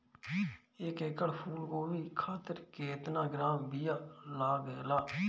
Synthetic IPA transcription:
ɪkɪkəlpʰuːlkoːʋiːkʰaːt̪əɾkeːt̪nãːɡɾaːmbijaːlaːɡlaː

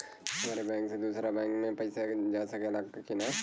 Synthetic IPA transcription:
ɦɐmaːɾebɛ̃ːŋksed̪uːsɾabɛ̃ːŋkmẽpɐɪsad͡ʒaːsɐkelaɡkina

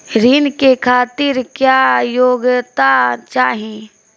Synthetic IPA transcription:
ɾiːnkekʰaːt̪ɪɾkjajoːɡt̪at͡ʃaːɦĩ

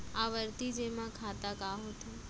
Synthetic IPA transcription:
aʋəɾt̪id͡ʒemãkʰat̪akaɦot̪o

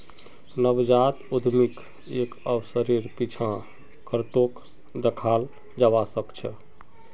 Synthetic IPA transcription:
nəbd͡ʒat̪ud̪ʱmik | ekəbsəɾiɾpit͡ʃʰã | kəɾt̪ok | d̪ekʰal | d͡ʒabasəkt͡ʃʰɛ̰

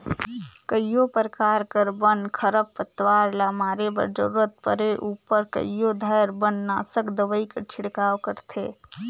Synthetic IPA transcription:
kəjjopəɾkaːɾkəɾbənkʰəɾəppət̪ʋaːɾlaːmaːɾebə̰ɾd͡ʒə̰ɾuːɾət̪̚pəɾeʔuːpəɾkə̰ijod̪ʱəːɾbənːaːsəkd̪əʋəikət͡ʃʰɪɽkaːwkəɾt̪ʰeː

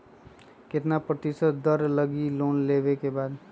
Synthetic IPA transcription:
ket̪napɾət̪isət̪d̪əɾləɡilonlebekebaːd̪

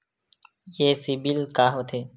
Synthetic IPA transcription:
jeːsibilkaːɦot̪ʰeː

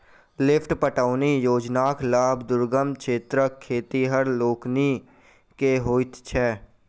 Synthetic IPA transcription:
lɪpʰʈpəʈaːnijoːd͡ʒnaːklaːbd̪ʊɾɡəmkʰeːt̪ɾəkʰːeːt̪iɦəɾloːkni | keɦoːit̪t͡ʃʰɛː

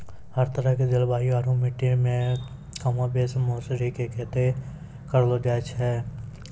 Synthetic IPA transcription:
həɾt̪əɾəked͡ʒɪlbaːjoaːɾũmɪʈːimẽ | kɐmãbeːsmoːsɾikekɛːt̪e | kəɾlod͡ʒaːt͡ʃɦɛː

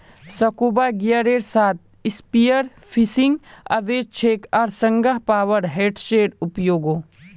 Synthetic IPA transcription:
sɐkuːbaɡijaɾeːɽsaːt̪̚ʰ | ɪspijəɾ | pʰisɪ̃ŋɡɐ̰ʋeːd͡ʒt͡ʃʰeːkaːɾsɐ̃ŋɡəɦpaːʋəɾɦeːʈʃeːɽʊpjoːɡoː

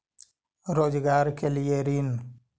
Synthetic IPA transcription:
ɾoːd͡ʒɡaːɾkeljeɾin

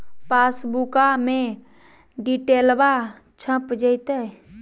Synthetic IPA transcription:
pasbukamẽ | ɖiʈelba | t͡ʃʰə̃pd͡ʒəjt̪ə

